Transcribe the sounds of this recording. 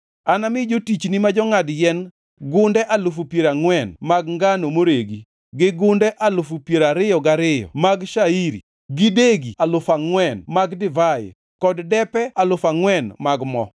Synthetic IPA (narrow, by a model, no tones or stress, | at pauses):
anamɪd͡ʒotit͡ʃnimad͡ʒɔŋadjɛn | ɡʊndɛʔalʊfupjeɾaŋwɛnmaɡŋɡanomoɾeɡi | ɡɪɡʊndɛʔalʊfupjeɾaɾɪjɔɡaɾɪjɔ̰maɡʃaiɾḭ | ɡɪdeɡialʊfaŋwɛnmaɡdɪvajɪ̰ | kɔddɛpɛalʊfaŋwɛnmaɡmɔ̰